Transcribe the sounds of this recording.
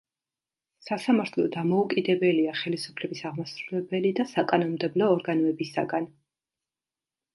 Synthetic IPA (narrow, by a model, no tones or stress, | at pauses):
sasamaɾt̪ʰlˠɔd̪amɔukʼid̪ɛbɛliaχɛlisu̥pʰlɛbisaʁmasɾulɛbɛlid̪asakʼanɔnmd̪ɛblɔːɾɡanɔɛbisa̰ɡan